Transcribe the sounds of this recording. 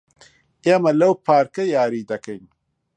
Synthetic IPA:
emɐlɐwpʰaːɾkɐjaːɾiːd̪ɐkɐjn

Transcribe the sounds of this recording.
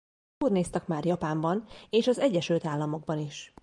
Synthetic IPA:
urneːst̪ɛkmaːrjɒpaːmbɒneːʃɒzɛɟːɛʃylt̪aːlːɒmo̞ɡ̚bɒniʃ

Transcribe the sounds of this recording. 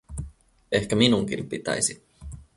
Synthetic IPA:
e̞hkæminuŋk̟ḭmpit̪æ̰jsi

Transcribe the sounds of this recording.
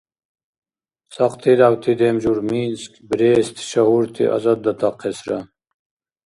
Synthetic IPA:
sɐqt̪ʰid̪awt̪ʰid̪emd͡ʒuɾminskbɾeːst̪ʃɐhuɾt̪ʰḭʔɐ̰zɐd̪̚d̪ɐt̪ʰɑqʰːesɾɐ

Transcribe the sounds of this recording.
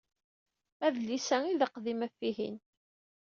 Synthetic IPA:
æðlːisæiðəqðimæfːiɦḭn

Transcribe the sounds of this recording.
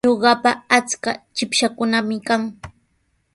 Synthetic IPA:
oɢɑpaːt͡skat͡ʃɪpʃakʊnamɪkaŋ

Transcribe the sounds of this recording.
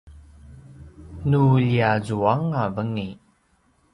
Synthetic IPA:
nuʎiazuaŋavəŋi

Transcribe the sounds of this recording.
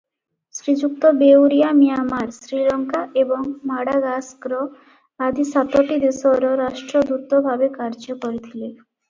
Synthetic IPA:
sɾid͡ʑuk̚t̪obewɾijamijamaɾsɾiɾɔŋkaebɔŋmaɽaɡasɡɾɔ | ad̪isat̪oʈid̪esɔɾoɾaʃʈɾod̪ut̪ːobʱabekaɾd͡ʑɔkoɾet̪ʰile

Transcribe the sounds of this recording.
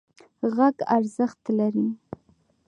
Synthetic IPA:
ɣaɡa̰ɾzəχt̪laɾi

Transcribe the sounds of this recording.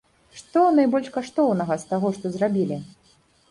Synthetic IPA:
ʂt̪ɔnajbɔlʲʂkaʂt̪ɔwnɐɣɐst̪aɣɔʂt̪ɔzrabʲilʲi

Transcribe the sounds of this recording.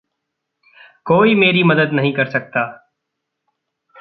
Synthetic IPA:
koːiːmeːɾiːməd̪əd̪nəɦĩːkəɾsək̚t̪aː

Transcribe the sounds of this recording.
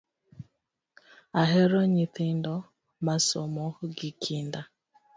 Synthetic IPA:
aɦɛɾɔɲiθindɔ | masɔmɔɡikʰinda

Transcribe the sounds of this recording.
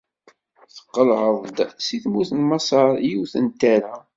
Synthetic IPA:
θə̥qːəlhəðˤd̪siθmuθənmɑsˤɑɾˤjuθənt̪ːæɾa

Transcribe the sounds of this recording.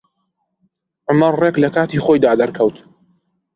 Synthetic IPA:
ʕʊmɐrreklɐkaːt̪iːχoːjd̪aːd̪ɐɾkʰɐwt̪

